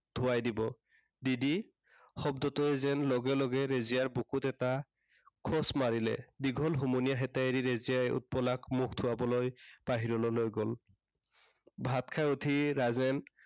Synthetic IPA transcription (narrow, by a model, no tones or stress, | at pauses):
d̪̥ʱʊwajdibɔ | didi | xɔb̚dɔtɔɛzɛnlɔɡɛlɔɡɛɹezijaɹbukutɛta | kʰɔsmaɹilɛ̰diɡʱɔlɦumunijaɦɛtaeɹiɹezijaṵt̚pɔlakmukʰtʰʊwabɔlojb̥aɦiɹɔlɔlojɡɔl | bʱat̪kʰajutʰiɹazɛn